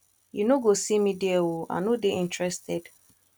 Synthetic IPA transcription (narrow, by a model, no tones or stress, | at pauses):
junoɡosimidiewoa̰nodeʔĩntɹɛstɛd̥